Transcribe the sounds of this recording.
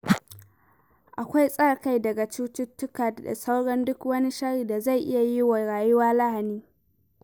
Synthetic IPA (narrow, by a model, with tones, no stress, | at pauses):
ʔa˨kʷa˦jsʼa˦ɽka˦jdɐ˨ɡa˨t͡ʃuː˦tɪ˦tːʊ˦ka˨da̰˨sa˦wɽɐ˦ndʊ˦kwɐ˦ni˦ʃɐ˦ɽiː˨da˨za˦˨jʔɪ˦ja˨ji˦wa˨ɽaː˨jʊ˦waː˦la˦ha˨niː˦